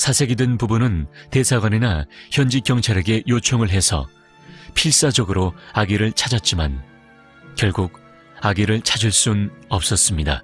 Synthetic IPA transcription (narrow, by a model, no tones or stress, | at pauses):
sʰasʰe̞ɡidwenpubunɯnte̞sʰaɡwaninaçjʌnd͡ʑikjʌŋt͡ɕʰaɾe̞ɡe̞jot͡ɕʰoŋɯɭɦe̞sʰʌ̰ | pʰiɭs͈ad͡ʑʌɡɯɾoaɡiɾɯɭt͡ɕʰad͡ʑat̚t͡ɕ͈iman | kjʌɭɡuɡ̚ | aɡiɾɯɭt͡ɕʰad͡ʑiɭs͈unʌp̚s͈ʌs͈ɯmɲida̰